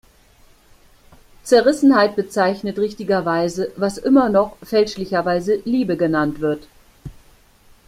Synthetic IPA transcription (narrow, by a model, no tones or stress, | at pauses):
t͡sɛɐʁɪsn̩haɪt̚b̥ət͡saɪçnətʁɪçtɪɡɐvaɪzəvasʔɪmɐnɔχfɛlʃlɪçɐvaɪzəliːbəɡənantv̥ɪɐt